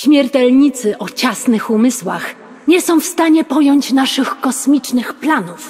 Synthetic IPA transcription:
ɕmʲjɛɾt̪ɛlɲit̪sɘʔɔt͡ɕasnɘxumɘswax | ɲɛsɔ̃w̃fst̪aɲɛpɔjɔɲt͡ɕnaʂɘxkɔsmʲit͡ʂnɘxplanuf

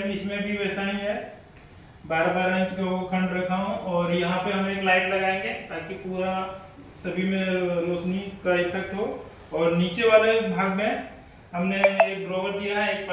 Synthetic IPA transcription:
ɪsmẽbʱiʋɛːsaɦiɦɛ | baːɾabaːɾə̃t͡ʃkaokʰɐ̃ɳɖɾɐkʰaɦũɔːɾjɐɦãpeɦɐmneːklaːɪʈlɐɡaːẽŋɡet̪aːkipuːɾa | sɐbʱimẽɾoːt͡ʃnikait̪ək̚ɦo | ɔːɾniːt͡ʃeʋaːlebʱaːɡmẽ | ɦɐmneeːk̚bɾɔːɡəɾd̪ijaɦɛeːk̚p

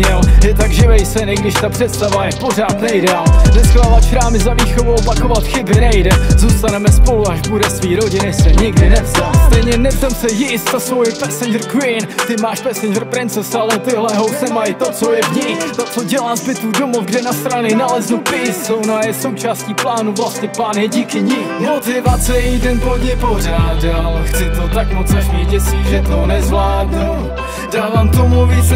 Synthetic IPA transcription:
ɲɛljɛt̪aɡʒɪvɛjsɛnɪɡdɪʃt̪apr̝̥ɛt̪st̪avajɛpo̞r̝aːt̪nɛɪdɛaːlnɛsklavat͡ʃɾaːmɪzaviːxovuopakovat̪xɪbɪnɛjdɛzuːst̪anɛmɛspo̞luaʒbuɾɛsviːɾo̞ɟɪnɪsɛɲɪɡdɪnɛst̪aːst̪ɛjɲɛnɛpt̪amsɛjɪst̪ːasvojɛpɛsɛnd͡ʒɛɾkwɪnt̪ɪmaːʃpɛsɛnd͡ʒɛɾpɾɪnt͡sɛsalɛt̪ɪɦlɛɦowsɛmajt̪ot͡so̞jɛvɲit̪ot͡soɟɛlaːmpɪt̪udomofɡdɛnast̪ɾanɪnalɛznupɾɪssownajɛso̞wt͡ʃaːsciːplaːnuvlasɲɛplaːnjɛɟiːkɪɲimot̪ɪvat͡sɛjidɛnpodɲɛporaːdalxt͡sɪt̪ot̪akmot͡snɛʃmɲɛɟɛsiʒɛt̪onɛzvlaːdnu | daːvaːmt̪omluviːs

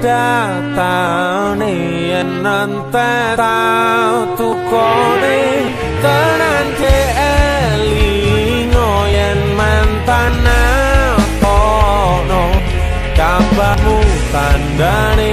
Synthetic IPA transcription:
d̥a | t̪a | ne | jɛnːənt̪ɛ | t̪awt̪ukɔne | t̪ənand͡ʒeʔɛli | ŋɔjɛnmaɛnt̪ana | pɔ | nɔ | kambakut̪anda | ne

